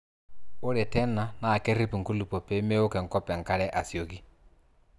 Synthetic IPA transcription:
o˦ɾɛ˨tɛ˦na˨na˨kɛ˦ɾi˦pu˨ŋ̩˨ku˦lu˨pɔ˨pɛ˦mɛ˦o˦kɛ˨ŋ̩˨kɔ˦pɛ˨ŋ˨ka˦ɾɛ˦ʔa˨sjo˨ki˦

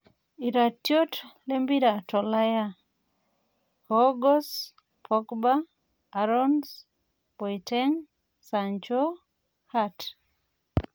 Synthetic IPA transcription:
i˨ɾa˨tjo˦tle˦mbi˦ɾa˨tɔ˨la˦ja | hɔɡɔ˦s | pʰɔkbaː | ɾɔns | pɔ˨jtɛŋ | saɲt͡ʃo˦ | hat

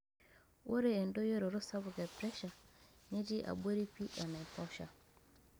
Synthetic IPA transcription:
wo˦ɾeː˦˨ndo˦je˦ɾo˨ɾo˦sa˦βʊ˨ɡɛ˨pɾɛ˦ʃa˨ɲe˦ti˦ʔa̰˨be˦ɾi˦pi˦ʔa˨na˨pɔ˦ʃa˨

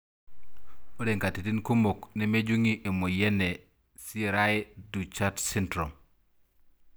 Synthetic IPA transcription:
o˦de˨ŋka˨ti˨ti˦nku˦mo˨kne˦me˦d͡ʒu˦ŋi˦ʔe˨mo˨je˦ne˨ | si˦ɾajedu˨t͡ʃatsintɾo˨m

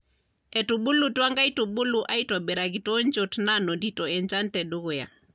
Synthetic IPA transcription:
ɛ˨tu˨ɓu˦lu˨twa˦ŋɡa˦itu˨ɓu˦lu˨ʔa˦i˦tɔ˨ɓɛ˨ɾa˨ɣi˨tɔ˦ɲd͡ʒɔ˨tna˦nɔ˨ndi˨tɔ˨ɛ˨ɲd͡ʒa˦ntɛ˨ɗu˦ɣu˨ja̰˨

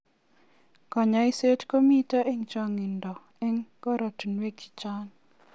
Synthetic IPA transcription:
ka˨ɲa˨i˦se˦tko˦mi˦ta˦ʔe˦ŋt͡ʃa˦ŋɪ˨ndɔ˨ | e˦ŋkɔ˦ɾɔ˨tnwe˦ki̥˨t͡ʃa˦n

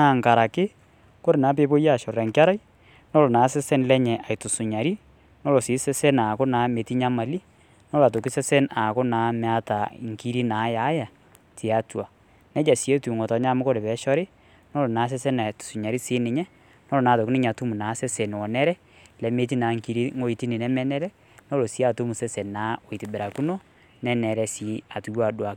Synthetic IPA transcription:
a˨ŋka˨ɾa˨kɪ˦ | ko˦ɾe˨naː˨˦p̬e˨˦bo˦ja˦˨ʃɔ˨ɾɛ˨ŋka˦ɾa˦j | nɔ˦lo˨naː˨˦sɛ˦sɛ˦nlɛ˦ɲɛ˨ʔa˨jtʊ˨sʊ˨ɲa˨ɾi˦ | nɔ˦lo˨sɪː˨˦sɛ˦sɛ˦naː˨kʊ˦na˨˦me˨ti˦ɲa˦ma˨li˦ | nɔ˦la˨to˨ki˦sɛ˦sɛ˦na˨ko˦naː˨˦mɛ˨˦a˦ta˨ŋki˦ɾi˦na˨˦ja˨˦ja˨ | ti˨a˨twa˨ | nɛ˦d͡ʒa˨si˨˦e˦tu˨ŋo˨tɔ˨˦ɲa˦mʊ˦ko˦ɾe˨pɛ˨˦ʃɔ˦ɾɪ˦ | no˦lo˨na˨˦s̬ɛ˦sɛ˦na˨tsu˨ɲa˨ɾi˦sɪː˦nɪ˨ɲɛ˦ | nɔ˦lo˨naː˨to˨ki˦nɪ˦ɲa˨tu˦mu˨naː˨˦sɛ˦sɛ˨n˨wɔ˨nɛ˦ɾɛ˦ | lɛ˨˦me˦t̬i˦naː˨˦ŋki˦ɾi˦ŋo˦i˨ti˦ni˨nɛ˦mɛ˦nɛ˦ɾɛ˦ | no˦lo˨si˦a˨tu˦mu˨sɛ˦sɛ˨nnaː˨˦o˨i˨ti˨bɛ˨ɾa˨ku˦no˦ | nɛ˦nɛ˨ɾɛ˦si˨˦a˨tu˨ja˦˨dwa˨k

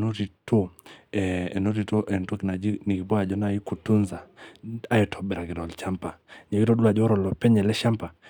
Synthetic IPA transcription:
no˦ɾi˨to˦ɛ˨ɛ˨no˦ɾi˨to˦ʔɛ˨ntu˦ki˨na˨d͡ʒi˦ni˨ki˨bɔ˦a˨d͡ʒɔ˦na˦i˦ku˨tu˦nza˨a˦ɛ˨tʰɔ˨ɓɛ˨ɾa˨ɡi˨ɾɔ˨lt͡ʃa˦mpa˨ɲɛ˨ɡi˦ɾɔ˦du˦a˨d͡ʒɔ˦ɾɔ˨lɔ˨pɛ˦ɲɛ˨lɛ˦ʃa˦mpa˨

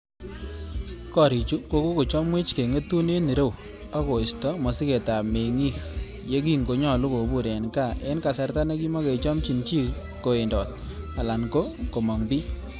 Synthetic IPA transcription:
kɔ˦ɾi˨t͡ʃu˦ko˨˦ko˦ko˨t͡ʃɔ˦mwe˦t͡ʃke˨ŋe˦tu˦ne˦ni˨ɾe˦w | a˦ko˨ɪ˨stɔ˦mɔ˨si˦ke˨ta˨me˨ŋi˦k | je˦k̬i˦ŋɡo˨ɲɔ˦˨lu˦ko˨bu˦˨ɾe˨nka˦˨e˦nka˨sa˨rta˦na˦ki˦mɔ˦ke˨t͡ʃɔ˦mt͡ʃi˨nt͡ʃi˦ | ko˨e˨ndɔ˨t̚ | a˨la˨nko˦ko˨mɔ˨ŋbi˦

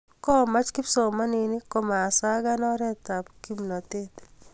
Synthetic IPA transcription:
kɔ˦˨ma˦t͡ʃkɪ˦pso˨ma˦ne˨nɪ˦ko˨maː˨sa˦ɡa˦nɔ˦ɾɛ˦t̪a˨pki˦mnɔ˨t̪e˦t̪

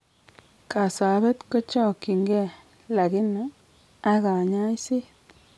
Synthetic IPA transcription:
ka˨sa˨˦bɛ˦t̪ko˦t͡ʃɔ˦˨ki˨ŋɡe˦ | la˨ɡi˦no˨˦ | a˦ɡa˨ɲa˦i˦si˦

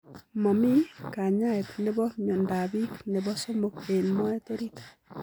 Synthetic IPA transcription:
mo˨mi˦ka˨ɲa˦etne˦βɔ˦ɲo˨nda˨βi˦kne˨βo˦so˦mo˨ke˨nmo˦e˦to˦ɾitḁ

